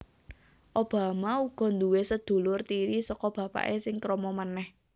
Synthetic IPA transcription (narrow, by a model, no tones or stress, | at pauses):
ʔob̥a̤mauɡ̥ɔ̤nd̪uwesəd̪̥o̤lʊrt̪iɾisɔkɔb̥ä̤pa̰ʔesɪŋkɾɔmɔmənɛh